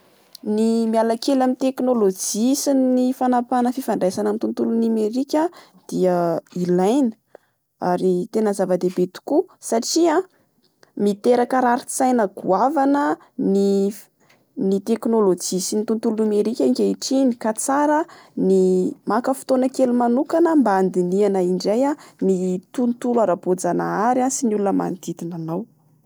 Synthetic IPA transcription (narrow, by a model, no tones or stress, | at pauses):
nimialakelamit̪eknolod͡ʒisinːifanapanəfifaɳɖ͡ʐajsanamint̪unt̪ulunimeɾikʲə | d̪̥iəilajnə̥ | aɾit̪enəzavad̪ebet̪u̥kusaʈ͡ʂia | mit̪eɾakəɾaɾit͡sajnəɡ̥uavanə | ni | nit̪eknolod͡ʒisinit̪unt̪ulunumeɾikʲaiŋkʲaiʈ͡ʂinikat͡saɾənimakəfi̥t̪onəkelumanukanəmbaand̪inianaiɳɖ͡ʐajanit̪unt̪ulaɾabod͡zana̰aɾansinulunəma̰nd̪̥it̪inanaw